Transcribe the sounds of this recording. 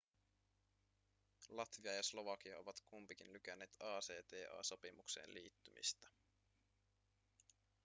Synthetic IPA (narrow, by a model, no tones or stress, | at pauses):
lɑt̪ʋiɑjɑslo̞ʋɑk̟iɑo̞ʋɑt̪kumpikinlyk̟ænːe̞ːt̪ɑːseːt̪eːʔɑ̰ːso̞pimuksḛːnliːt̪ːymḭst̪ɑ̥